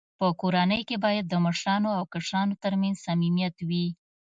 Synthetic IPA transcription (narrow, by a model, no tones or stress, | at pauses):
pəkoɾanəjkebɑjad̪̚ːəməʂɾɑnoawkaʂɾɑnot̪aɾmanz̥samimjat̪wi